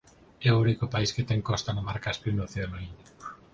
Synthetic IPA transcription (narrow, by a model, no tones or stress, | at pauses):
ɛounikʊpaisket̪ɛŋkɔst̪anamaɾkaespɾinoθiðeloiɲa